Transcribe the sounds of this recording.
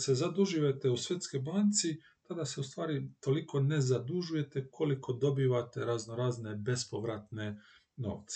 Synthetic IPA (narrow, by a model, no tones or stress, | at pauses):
sezad̪uʒijet̪eusʋje̞t̪skojbaːnt̪si | t̪ad̪ase̞ust̪ʋaːɾit̪o̞liko̞ne̞zad̪uʒuje̞t̪e̞kʰo̞liko̞d̪o̞biːʋat̪e̞ɾazno̞ɾaːzne̞be̞spo̞ʋɾat̪ne̞ | no̞̰ʋt̪se̥